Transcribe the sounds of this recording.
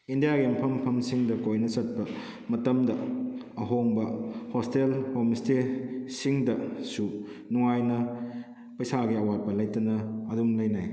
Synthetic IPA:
indijaɡimɐpʰɐmpʰɐmsiŋdɐkojnɐsɐt̚pɐ | mɐtɐmdɐː | ɦoŋbɐhostelhomistesiŋdɐsu | nuŋajnɐ | pɐjsaɡiɐwat̚pɐlɐjtɐnɐːdumlɐjnaj

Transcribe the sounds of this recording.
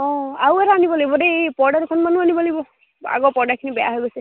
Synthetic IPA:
ɔ̃aweɾanibɔlijbɔdepɔɹɽaɾkʰɔnmanuanibɔlibɔ | a̰ɡɔpɔɹɖakʰinibɛja̰ɦɔjbɔse

